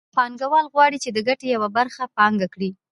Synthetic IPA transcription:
xɑnɡawɑlɣwɑɽit͡ʃed̪əɡaʈejawabaɾxapɑŋɡakɽi

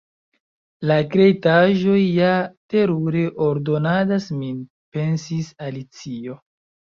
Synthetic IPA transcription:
lakɾe̞jtaʒo̞jːate̞ɾuɾeʔoɾdo̞nadasmin | pe̞nsisalit͡sio̞

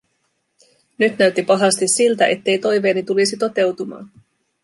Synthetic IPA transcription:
nyt̪næɥt̪ːipɑɦɑst̪isːilt̪æʔe̞t̪ːe̞jt̪o̞jʋe̞ːnit̪ulisit̪o̞t̪e̞wt̪umɑ̰ːn

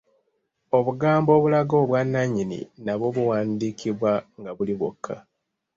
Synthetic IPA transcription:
o̞βuɡaːmbo̞ːβulaɡo̞ːβwanːaɲːinḭnaβo̞βuwaːndiːkʰiβwaŋɡaβuliβwokʰːa

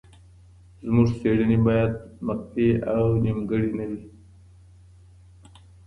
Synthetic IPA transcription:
zmuʐseɽinibajad̪̚məqt̪eawnimɡəɽinəwi

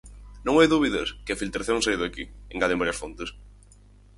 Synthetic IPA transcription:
nõŋajðuβiðɐskɪɐfilt̪ɾaθjõŋsajðakieŋɡaðẽmbaɾjiɐsfont̪ɪs

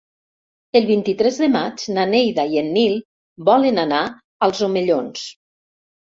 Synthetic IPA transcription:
əlˠβint̪it̪ɾɛzðəmad͡ʒnanejðaienːilˠ | bɔlənana | alˠzomeʎons

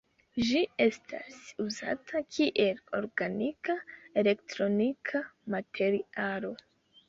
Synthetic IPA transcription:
ʒiestʰa̰suza̰tʰakʰiʔelo̞ɾɡanikaele̞ktɾo̞nikʰamatʰe̞ɾialo̞

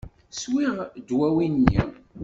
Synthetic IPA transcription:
swiʁd̪wæwinːḭ

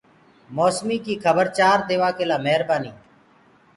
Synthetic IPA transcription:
moːsmiːkiːkʰəbəɾt͡ʃaːɾd̪eːʋaːkeːlaːmɛɦɾbaːniː

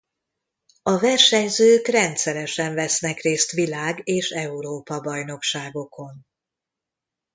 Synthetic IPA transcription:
ɒvɛrʃɛɲzøːkrɛnt̪sɛɾɛʃɛɱvɛsnɛkreːst̪ʋilaːɡeːʃɛuɾoːpɒbɒjno̞kʃaːɡo̞kʰo̞n

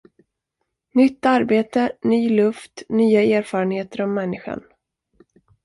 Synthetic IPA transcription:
nʏt̪ːaɾbeːt̪ənyːlɵft̪nyːaeːɾfɑːɾənheːt̪əɾɔmːɛnːɪɧa̰n

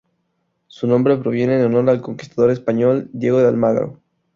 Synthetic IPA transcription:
sunõ̞mbɾe̞pɾo̞β̞je̞ne̞ːnono̞ɾelko̞ŋki̥st̪aðo̞ɾe̞spaɲo̞ld̪je̞ɣo̞ðealmaɣɾo̰

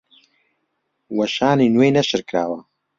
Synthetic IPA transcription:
wɐʃaːninwejnɐʃɨɾkɾaːwɐ

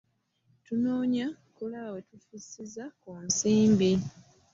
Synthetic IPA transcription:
tunoːɲa | kulaβawetufisizakunsiːmbi

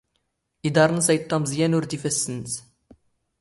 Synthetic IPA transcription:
id̪ɑɾˤnəsæjt̪ˤːɑmzjænuɾd̪ifæsːənz

